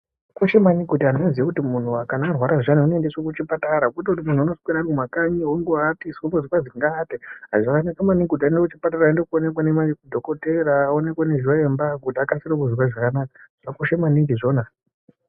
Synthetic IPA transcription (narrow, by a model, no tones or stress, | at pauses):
koʃemanikutianonziekutimun̤uakanaːrwaɾaʐaniunoendeswokut͡ʃipataɾakot̬akut̬imun̤uanoskwiɾakumakaɲioŋɡoatiskumbozikwaziŋɡateɦazakanakamaniɡudandokut͡ʃipatarandokuone̞kwanemajekudʱo̞kote̞ɾaːone̞kwaneʒiwaembaɡʱudaakasiɾokuzikwaʐakanakḁʐ̥akoʃemaniŋɡiʐo̞na